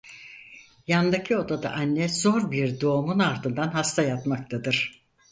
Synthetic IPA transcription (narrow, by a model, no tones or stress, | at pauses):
jannd̪acʰio̞d̪ad̪a̰ʔanːɛzo̞ɾbiɾd̪o̞ːmunaɾd̪ɯnd̪anɦast̪ʰajat̪mak̚t̪ʰad̪ɯɾ̥